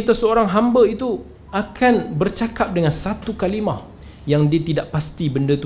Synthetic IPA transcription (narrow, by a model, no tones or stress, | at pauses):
it̪asəoɾaŋɦambəit̪u | akʰanbərt͡ʃakap̚dəŋãnsat̪ukalimah | jaŋdiət̪idaʔpast̪ibəndət̪u